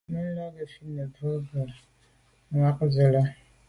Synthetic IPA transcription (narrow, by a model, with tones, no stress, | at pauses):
mə˦la˦ɡə˨fi˦nə˨bə˦ɡə˨˦ | ŋa˦k̚zə˨lə˦